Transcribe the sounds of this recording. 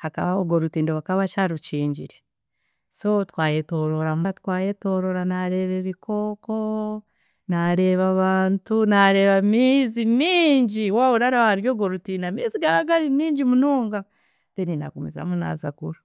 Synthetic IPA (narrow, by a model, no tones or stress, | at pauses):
haka̰βaoɡoɾutiːndoβakaβat͡ʃaɾot͡ʃiːɲɟḭɾe | sotwaːjetoɾoɾamatkwaːjeto̞ːɾoɾanaɾe̞ːβeβikʰo̞ko | naɾe̞βaβaːntunaɾe̞βamiːzimiːɲɟiwawoɾaɾahaɾjoːɡoɾutiːndamiːziɡaɾaɡaɾimiːɲɟimunoːŋɡa | denina̰komeza̰muna̰za̰kuɾa